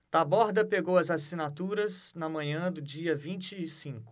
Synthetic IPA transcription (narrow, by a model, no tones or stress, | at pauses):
t̪abɔɾd̪ɐpeɡowɐzasinat̪uɾɐz | nɐmɐ̃ɲɐ̃d̪ʊd͡ʒiɐvĩnt͡ʃɪːsĩkʊ̥